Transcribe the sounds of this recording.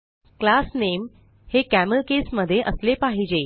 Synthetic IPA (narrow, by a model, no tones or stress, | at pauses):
klasnem | hekæməlkesməd̪ʱːjeʔəslepaɦid͡ʑe